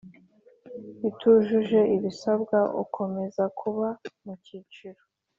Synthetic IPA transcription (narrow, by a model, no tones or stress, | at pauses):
itʰuʒuʒe̞ʔiβisabɡaʔṵkʰo̞me̞zakʰuβamucit͡ʃiɾo